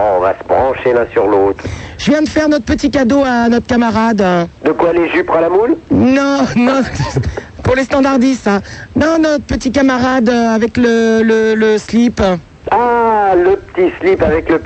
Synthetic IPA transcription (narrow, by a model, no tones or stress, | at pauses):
ɔ̰̃va̰səbʁɑ̃ʃelɛ̃syʁlot̪χʒ̥əvjɛ̃d̪əfɛʁnɔt̪χəpət̪ikad̪oanɔt̪χəkamaʁad̪d̪əkwaleʒypχãlamulnɔ̃nɔ̃ | puʁlest̪ɑ̃d̪aʁd̪isãnɔ̃nɔt̪χəpət̪ikamaʁad̪øavɛklələləslip | aləpə̥t̪islipavɛklə